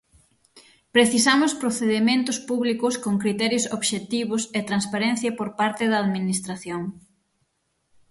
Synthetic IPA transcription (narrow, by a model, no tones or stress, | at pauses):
pɾeθisamʊspɾoθeðemẽnt̪ʊspuβlikʊskoŋkɾit̪ɛɾjʊsoβʃet̪iβ̞ʊset̪ɾanspaɾɛn̟θjɐpoɾpaɾt̪ɪðɐːðminist̪ɾaθjoŋ